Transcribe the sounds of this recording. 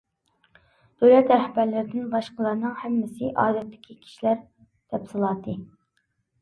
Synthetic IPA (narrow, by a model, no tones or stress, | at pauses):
d̪̥øwlɛt̪æɾhæbæɾlɪɾɪd̪ɪnbɑʃqəlˠɑɾnɨŋhɛmːɪsɪʔɑ̰ːd̪ɛt̪ːɪ̥kʲʰikʲʰi̥ʃilæɾ | d̪̥ɛpsɨlˠɑːd̪ɨ